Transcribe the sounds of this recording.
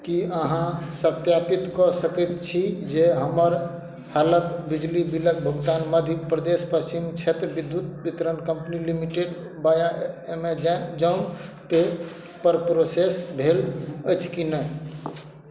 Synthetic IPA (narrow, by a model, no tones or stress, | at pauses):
kiəɦãsət̪japit̪kɔsəkət̪t͡ʃʰid͡ʒeɦəməɾ | halət̪bid͡ʒlibilək̚bʱəɡt̪anməd̪ʱipɾəd̪espət͡ʃimt͡ʃʰet̪ɾbid̪ːut̪̚bit̪ɾənkəmpnilimiʈeɖ | bajaemed͡ʒad͡ʒən | pe | pəɾpɾosesbʱeləjt͡ʃʰkinəj